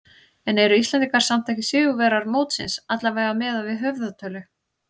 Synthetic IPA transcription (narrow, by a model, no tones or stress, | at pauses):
ɛnɛɾʏislɛniŋkaɾ̥sam̥t̪ʰajcɪsʏːɣʏvɛːɾaɾmoːwt̪sɪ̰nsat̪lavaːjɣamɛːðavɪðɦœvðat̪ʰœːlʏ